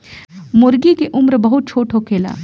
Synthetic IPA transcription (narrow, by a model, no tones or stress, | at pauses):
mʊɾɡikeʔʊmɾbɐɦʊt̪̚t͡ʃʰoːʈʰokʰeːla̰ː